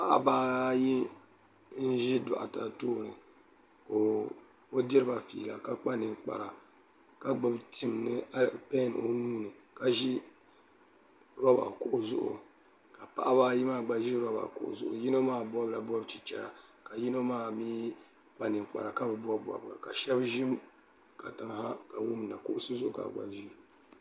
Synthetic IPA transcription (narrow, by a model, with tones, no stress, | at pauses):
pa˦ʔa̰˦baː˦ji˦ | n̩˦ʒi˦dɔ̰˨ʔa̰˨ta˨toː˦˨nɨ˨ | ko˨ | o˦di˦ɾɨ˦ba˨fḭ˨la˨ka˦k͡pa˦nɨ˨ŋk͡pa̰˨ɾa˨ | ka˦ɡ͡bɨ˦btɨ˨mnɨ˦a˦lpɛ˦n˨o˦nuː˦nɨ˨ka˨ʒi˦ | ɾɔ˦ba̰˨kʊ˨ʔʊ˨zʊ˦ʔʊ̰˨ | ka˨pa̰˦ʔa˦βa˦ji˦maː˦˨ɡ͡ba˨ʒi˦ɾɔ˦ba̰˨kʊ̰˨ʔʊ̰˨zʊ˦ʔʊ̰˨ji˦no˦maː˦˨ba˦bla˨bɔ˦bt͡ʃi˨t͡ʃɛ̰˨ɾa˨ka˨ji˦no˦maː˦miː˦ | k͡pa˦nɨ˨ŋk͡pa̰˨ɾa˨ka˦bɨ˨ba˦bwa̰˨ba̰˨ka˨ʃɛ˦bʒi˦m | ka˨ta˨ŋ˨ha˦ka˨wu˦m˨na˨kʊ˦ʔʊ˦sɨ˦zʊ˦ʔʊ˨ka̰˨ɡ͡ba̰˨ʒi˦˨